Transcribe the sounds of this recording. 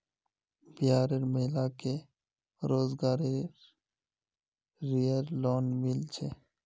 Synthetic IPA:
bɪjaːɾeɾməɦɪlake | ɾoːzɡaːɾeɾ | ɾijəɾloːnmɪlt͡ʃʰe

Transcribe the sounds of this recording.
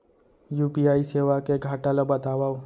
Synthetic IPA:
juːpiaːiseːʋakeɡʱaːʈalabɐt̪aːʋaːo

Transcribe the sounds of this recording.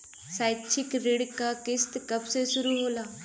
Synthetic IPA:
saːjt͡ʃʰɪkɾɪɽkakɪst̪kɐbsesʊɾuɦoːlaː

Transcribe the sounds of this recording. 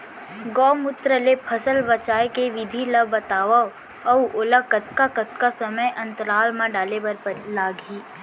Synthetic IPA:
ɡɔːmʊt̪ɾəlepʰəsəlbɐt͡ʃaːjkeʋɪd̪ʱilɐbɐt̪aːʋa | ɔwʔolakət̪̚kakət̪kasɐməjʔɐ̃nt̪əɾaːlmãɖaːlebɐɾpəlaːɡɦiː

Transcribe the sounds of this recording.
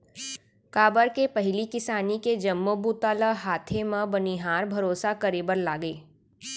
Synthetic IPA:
kaːbəɾkepɐɦɪlikɪsaːniked͡ʒɐmːobuːt̪aːləɦaːt̪ʰemə̃bɐniɦaːɾbʱɐɾoːsakɐɾeːbəɾlaːɡeː

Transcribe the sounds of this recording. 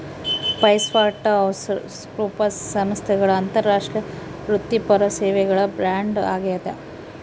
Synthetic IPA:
pɐjsʋaːʈːɐɐws | pɾuːpɐssɐmst̪ʰɛɡɐɭɐːnt̪ɐɾːaːʂʈɾɐ | ɾut̪ːipɐɾɐseːʋɛɡɐɭɐbɾaːɳɖa̰ːɡejɐd̪e

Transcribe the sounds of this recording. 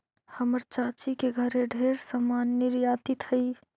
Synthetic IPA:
həməɾt͡ʃaːt͡ʃikeɡʱəɾeɖʱeɾsamaːnːiɾjaːt̪it̪həi

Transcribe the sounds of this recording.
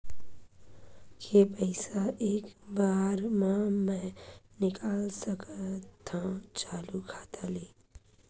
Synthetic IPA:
kepəɪsaʔeːkbaːɾmãmɛ̃nɪkaːlsəkat̪ʰãt͡ʃaːlukʰḁːt̪ʰaleː

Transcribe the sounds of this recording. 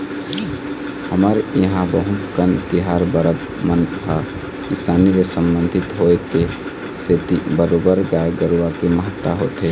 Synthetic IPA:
həməɾəɦãbəɦumkənt̪iɦaɾbəɾəb | mənʰa | kisaːnilesəmbənd̪ʱɪt̪ɦoeke | set̪ibəɾobəɾɡajeɡəɾuakeməɦət̪ːaɦot̪ɦe

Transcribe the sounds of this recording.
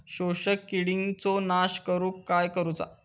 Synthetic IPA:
ɕoɕəkːiɽiŋɡt͡sonaɕkəɾuːkːajkəɾut͡sa̰

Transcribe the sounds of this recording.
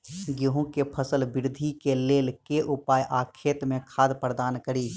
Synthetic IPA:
ɡjoːɦũkepʰəsəlbɪɾd̪ʱikeleːlkeʔʊpaːjʔaːkʰeːt̪mẽkʰaːd̪pəɾd̪aːnkəɾiː

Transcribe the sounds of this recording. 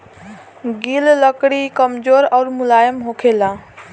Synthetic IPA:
ɡilləkɽikəmd͡ʒoɾɔʊɾmulajəmɦokʰelã

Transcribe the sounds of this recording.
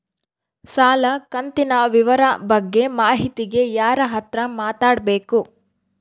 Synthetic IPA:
saːlɐkɐnt̪inɐʋiʋɐɾɐbɐɡːe̞maːɦit̪iɡe̞jaːɾɐɦɐt̪ɾɐmaːt̪aːɽbe̞ːku

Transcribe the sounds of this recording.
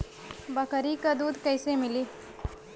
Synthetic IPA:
bɐkəɾikad̪uːd̪kəːsemɪliː

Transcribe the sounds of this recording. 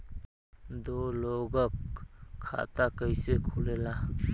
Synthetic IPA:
d̪ɔlɔɡakʰː | a̰t̪akajsekʰulela

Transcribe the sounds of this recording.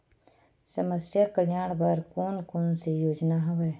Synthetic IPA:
səməsjakəljaːɽ̃bəɾkoːnkonsejoːd͡ʒnaɦʊʋeː

